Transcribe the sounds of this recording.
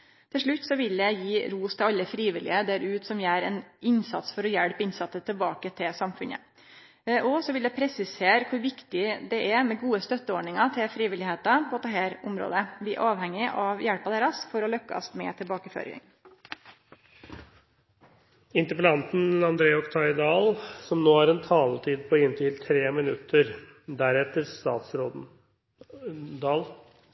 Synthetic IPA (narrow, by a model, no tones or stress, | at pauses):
t̪ʰɪlʂɭʉt̪ːsɔʋɪljæɪjiːɾuːst̪ʰɪlɑlːəfɾiːʋɪlɪəd̪æɾʉːt̪sɔmjææɾɛnɪnsɑ̰t̪sfɔɾɔjæɽpɪnsɑt̪ːət̪ʰɪlbɑːkət̪ʰɪlsɑmfʉ̰nə̰ | ʔɔsɔʋɪld̪ɛpʰɾɛsɪseːɾkʰʊɾʋɪkt̪ɪd̪ɛʔɛmɛɡuːəst̪œt̪ːəɔɖɳɪŋɑt̪ʰɪlfɾiːʋɪlɪheːt̪ɑpʰɔt̪ʰɑɦeːɾʊmɾo̰ːd̪əʋɪæ̰ɾʔɑːʋhɛŋːɪʔɑʋjæɽpɑd̪eːɾɑsfɔɾɔlœkːɑ̰smɛ̰t̪ʰɪlbɑːkəfø̰ːɾɪ̰ŋ | ɪnt̪əpəlɑnt̪n̩ɑnd̪ɾeːɔkt̪ʰɑɪd̪ɑːlsɔmnoːæɾɛnt̪ʰɑːlt̪ʰiːd̪̚pʰɔɪnt̪ʰɪlt̪ʰɾeːmɪnʉt̪ʰːəɾ | d̪æɾɛt̪ːəɾst̪ɑːt̪sɾoːd̪ | d̪ɑːl